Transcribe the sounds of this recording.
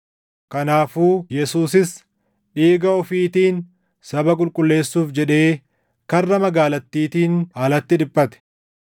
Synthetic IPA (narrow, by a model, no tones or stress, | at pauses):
kɐnaːfuːjɛsuːsɪs | ᶑiːɡɐɔfiːt̪iːn | sɐbɐkʼʊlkʼʊlːe̞ːsːuːfd͡ʒɛᶑe̞ː | kɐrːɐmɐɡaːlɐt̪ːiːt̪iːnaːlɐt̪ːɪᶑɪpʼːɐt̪ɛ̥